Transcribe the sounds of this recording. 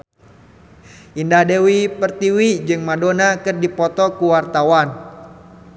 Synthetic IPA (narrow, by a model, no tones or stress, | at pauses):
ʔindahdewipərt̪iwid͡ʒɨŋmadonakɨrdipɔt̪ɔkuwart̪awan